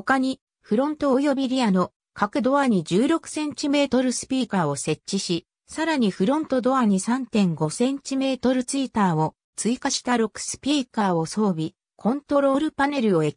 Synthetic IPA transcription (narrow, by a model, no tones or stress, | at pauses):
hokaɲ̟i | ɸɯ̟ɾõ̞nt̪oojo̞bʲiɾʲiano̞ | kakɯ̟d̪o̞aɲ̟id͡ʑɨːɾo̞kɯ̟̥sẽ̞ɲ̟t͡ɕime̞ːt̪o̞ɾɯ̟sɨ̥pʲiːkao̞se̞t͡ɕt͡ɕːiɕi | saɾaɲ̟iɸɯ̟ɾõ̞nt̪o̞d̪o̞aɲ̟isãnt̪ẽ̞ŋɡo̞sẽ̞ɲ̟t͡ɕime̞ːt̪o̞ɾɯ̟t͡sɨit̪aːo̞ | t͡sɨikaɕi̥t̪aɾo̞kɯ̟̥sɨ̥pʲiːkaːo̞so̞ːbʲi | kʰõ̞nt̪o̞ɾo̞ːɾɯ̟pane̞ɾɯ̟o̞e